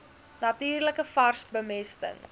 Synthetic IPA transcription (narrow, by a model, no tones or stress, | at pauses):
nɐtiːrləkəfɐrsbəmɛstə̰ŋ